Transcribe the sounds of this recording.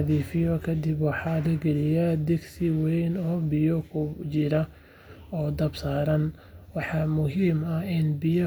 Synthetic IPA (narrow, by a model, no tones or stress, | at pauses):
ðiːfɪjɔkʰɐd̪ɪbwɑħɑːlɐɡɛlɪjad̪ɛɡsɪwɛjnɔːbɪjɔkʰʊt͡ʃɪɾɐ | ɔːd̪ɐbsaːɾɐn | wɑħɑmʊɦiːmɐɪnbɪjɔ